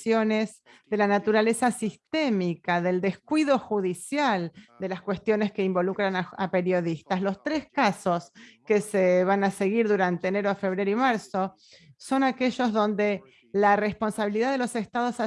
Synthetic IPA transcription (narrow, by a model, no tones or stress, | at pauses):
jonez | ðe̞lanat̪uɾale̞sasist̪emikaðe̞ld̪e̞skwiðo̞xuðisjald̪elaskwe̞st̪jo̞ne̞skeimbo̞lukɾanaape̞ɾjo̞ðist̪aslo̞st̪ɾeskasoskeseβanase̞ɣiɾðuɾant̪eːneɾoafe̞β̞ɾeɾoimaɾso̞ | so̞nakeʒo̞zðo̞nd̪e̞ | lare̞spo̞nsaβiliðaðelo̞se̞st̪aðo̞sa